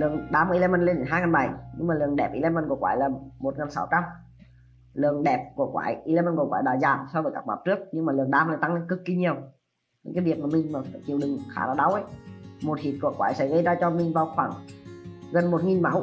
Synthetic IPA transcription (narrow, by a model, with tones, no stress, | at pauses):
lɨ˨˩əŋɗaː˧m˨˧˨le˧mə˨˧˩nle˧nɗe˧˨˦nɦaː˧jŋaː˨˩nɓa˨˧˩jɲɨ˧ŋmaː˨˩lɨ˨˩əŋɗɛ˨˩p̚ʔi˧la˧mə˧˩nku˧˩əkwaː˧˩jlaː˨˩mo˨˩t̚ŋaə˨˩nsa˧˦wt͡ɕa˧m | lɨ˨˩əŋɗɛ˨˩p̚ku˧˩əkwa̰ː˧˨˦jʔi˧leː˧mə˧nku˧˩kwaː˧˦ɗaː˧˩zaː˨˩msɔ˧vəː˨˦kaː˦˥k̚ma̰ː˧˩w̚t͡ɕɨ˦˥ək̚ɲɨ˧ŋmaː˨˩lɨ˨˩əŋɗaː˧mlaː˧˦t̪a˧ŋle˧˦kɨ˨˧˩k̚ːi˧ɲi˨˩əw | ɲɨ̰˧˦ŋkaː˨˦vi˨˩ət̚maː˨˩mï˨˩ŋ̟maː˨˩fa˧˩t͡ɕi˨˩əwɗɨ˨˩ŋxaː˧˩laː˧˩ɗa˧˦wʔə˧˦jmo˨˩t̚hi˨˩t̚kṵ˧˩əkwaː˧˦jsɛ̰˧˥ɣə˧jzaː˧t͡ɕɔ˧mï˨˩ŋ̟vaː˨˩wxwaː˧˩ŋ | ɣə˨˩nmo˨˩t̚ŋi˨˩nma˧˦w